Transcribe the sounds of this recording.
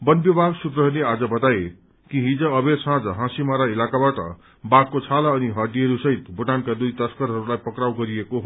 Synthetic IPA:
bʌnbjbʱaɡsuprʌɦʌnead͡zʌbʌt̪aje | kiɦĩd͡zʌʌbersãd͡zʌɦãsimaɾailakabaʈʌ̰ | bakːot͡sʰalaːniɦʌrdiʌɾusʌɦit̪bʱuʈankad̪ujt̪ʌskʌɾɦʌɾulajpʌkɾawɡʌɾiekoɦ

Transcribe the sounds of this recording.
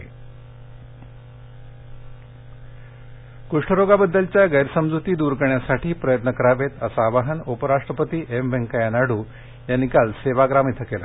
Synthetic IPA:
kuʂʈʰəɾoɡabəd̪ːəlt͡ɕjaɡəjɾsəmd͡zut̪iːd̪uɾkəɾɳjasaʈʰiːpɾəjət̪nəkəɾaʋet̪əsaʋaɦənupəɾaʂʈɾəpət̪iːʔembʱẽŋkajanaɽuː | janːikalseʋaɡɾamit̪ʰəkela̰

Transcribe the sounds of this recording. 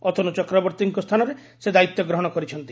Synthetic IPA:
ɔt̪ʰonut͡ʃɔkɾɔbɔɾt̪iŋkɔst̪ʰanɔɾe | sed̪ait̪jɔɡɾɔɦɔɽ̃ɔkɔɾit͡ʃʰɔnt̪i

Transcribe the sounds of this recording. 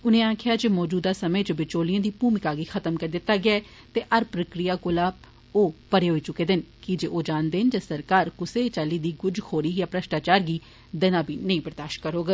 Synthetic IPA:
ʊnẽːãːkʰɪjaːd͡ʒeːmɔːd͡ʒuːd̪aːsəməːt͡ʃəbɪt͡ʃoːliãːd̪iːpuːmɪkaːɡiːxʰət̪əmkəɾd̪ɪt̪ːaːɡɪjaːɛː | t̪eːʔəɾpɾəkɾijaːkolaː | oːpəɽeːɦoːiːt͡ʃʊkeːd̪ɪnkɪd͡ʒeːʔoːd͡ʒaːnd̪eːnd͡ʒeːsəɾkaːɾkʊseːt͡ʃaːliːd̪iːɡʊd͡ʒkʰoːɽiːjaːpɾəʃʈaːt͡ʃaːɾɡiː | d̪ɛːnãːbʱiːnəĩːpəɾd̪aːʃkəɾɦoːɡa

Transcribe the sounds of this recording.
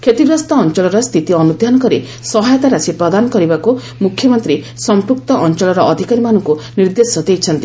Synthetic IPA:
kʰet̪ibɾɔst̪ɔːnt͡ʃɔɭɔɾɔst̪ʰit̪iɔnud̪ʱjanɔkɔɾi | sɔɦajɔt̪aɾasipɾɔd̪anɔkɔɾibaku | mukʰjɔmɔnt̪ɾi | sɔmpɾuk̚t̪ɔʔɔnt͡ʃɔɭɔɾɔʔɔd̪ʱikaɾimanɔŋkuniɾd̪esɔd̪ejt͡ʃʰɔnt̪i

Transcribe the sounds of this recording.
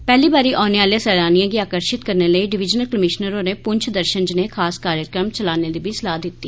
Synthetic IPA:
pɛːliːbaːɾiːʔaːneːʋaːlejãːsɛːlaːnijãːɡiːaːkəɾʃɪt̪kəɾneːləiːɖɪʋɪd͡ʒnəlkəmɪʃnəɾoːneːpʊɲt͡ʃʰd̪əɾʃənd͡ʒneːkʰaːskaːɾjəkɾəmt͡ʃəlaːneːd̪iːbislaːd̪ɪt̪ːiː

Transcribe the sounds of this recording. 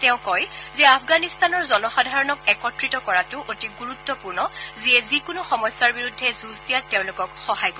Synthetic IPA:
tɛʊ̃kɔjzɛapʰɡanist̪anɔɹzɔnɔxadʱaɹɔnɔk̚ɛkɔtɹitɔkɔɹatʊʔotiɡuɹutːɔpuɹnɔziɛzikʊnuxɔmɔjsːaɹbiɹudʱːɛzusdijateʊ̃lʊkɔkxɔɦajko

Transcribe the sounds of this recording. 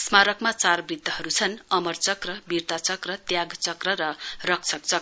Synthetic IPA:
smaɾʌkmat͡sarbrit̪ːʌhʌɾut͡sʰʌnʌmʌrt͡sʌkrʌbirt̪at͡sʌkrʌt̪jaɡt͡sʌkrʌɾʌrʌkt͡sʰʌkt͡sʌk

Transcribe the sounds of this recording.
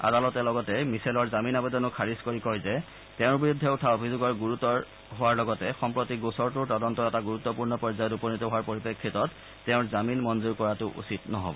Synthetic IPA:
a̰dalɔtɛlɔɡɔtɛmisalɔɹzaminabɔtɔnʊkʰaɹiskoɹikɔɹzɛ | teʊ̃ɹbiɹudʱːɛutʰaobʱizuɡɔɹɡuɹutɔɹ | ɦoaɹlɔɡɔtɛxɔmpɹotiɡosɔɹtʊɹtɔdɔntɔɛtaɡuɹutːɔpuɹnɔpɔɹzajɔtupɔnitɔɦoaɹpoɹipekʰːitɔtː | eʊ̃ɹzaminmɔnzuɹkɔɹatʊʔṵsitnɔɦɔ̰bɔ

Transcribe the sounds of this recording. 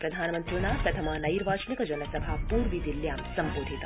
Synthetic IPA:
pɾɐd̪ʱaːnmɐ̃nt̪ɾunaːpɾɐt̪ʰɐmaːnɐiɾʋaːʃnikd͡ʒɐnəsɐbʱapuːɾʋid̪iljaːmsɐ̃mboːd̪ʱit̪

